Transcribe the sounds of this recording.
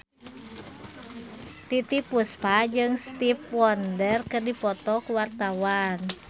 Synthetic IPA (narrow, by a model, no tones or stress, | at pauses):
t̪it̪ipuspad͡ʒɨŋst̪ipwɔndərkɨrdipɔt̪ɔkuwart̪awan